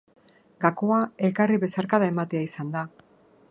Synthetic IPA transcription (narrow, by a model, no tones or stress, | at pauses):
ɡakoae̞lkariβe̞saɾkaðae̞mat̪e̞aisand̪a